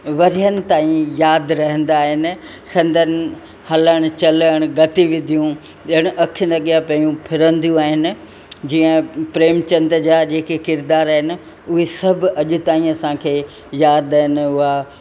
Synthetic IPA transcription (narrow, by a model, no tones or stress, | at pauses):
ʋɐɾijənɪ̆t̪aːĩjaːd̪ɾɐɦə̃n̆d̪aːɦɪnɪ̆ | sɐ̃nd̪ʱənɪ̆ | hɐləɽ̃ʊ̆t͡ɕɐləɽ̃ɡɐt̪iʋɪd̪ʱijũ | əɽ̃ʊʔɐkʰɪnɐɠijapɐijũpʰɪɾə̃nd̪ijũaːɦɪnɪ̆ | d͡ʑiːə̃pɾeːmt͡ɕɐ̃nd̪ɾd͡ʑaːd͡ʑeːkekɪɾd̪aːɾaːɦɪnɪ̆ | ʊɦesɐbʱɐʄʊ̆t̪aːĩɐsãkʰeː | jaːd̪aːɦɪnɪʊɦa